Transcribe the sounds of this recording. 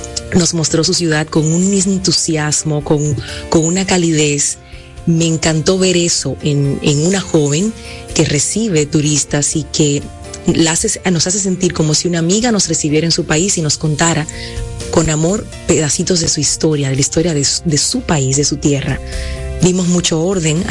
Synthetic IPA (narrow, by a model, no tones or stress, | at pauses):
no̞smo̞st̪ɾo̞s̬usjuðað̚ko̞ŋunmismoent̪usjazmo̞ko̞ŋko̞ŋunakaliðe̞s | me̞ːŋkant̪o̞βe̞ɾe̞so̞ʔenḛŋunaxo̞βe̞ŋ | ke̞re̞siβe̞t̪uɾist̪asike̞ | laaseno̞sas̬e̞s̬e̞nt̪iɾko̞mo̞siunaːmiɣano̞sre̞siβjeɾaensupaisino̞sko̞nt̪aɾako̞namo̞ɾ | pe̞ðasit̪o̞zðe̞suist̪o̞ɾjaðe̞laist̪o̞ɾjaðeðe̞supaisðe̞sut̪je̞rad̪imo̞zmut͡ʃo̞o̞ɾðe̞ŋ